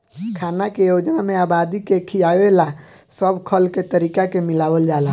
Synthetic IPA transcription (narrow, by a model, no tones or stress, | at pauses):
kʰaːnakejod͡ʒnamẽaːbad̪ikekʰijaela | səbʱkʰəlket̪əɾiːkakemɪlaːʋəld͡ʒaːla